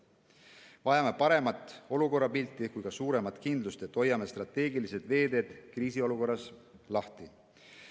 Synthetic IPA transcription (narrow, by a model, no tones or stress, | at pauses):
vɑjɑme̞pɑɾe̞mɑt̪ːˑo̞luko̞rːɑpilt̪ːˑikujkɑsuːɾe̞mɑt̪ˑkind̪lust̪et̪ːo̞jːɑme̞st̪rɑt̪ːˑe̞ːɡilise̞d̪̥ve̞ːd̪e̞ːd̪̥kriːsio̞luko̞rːɑslɑht̪i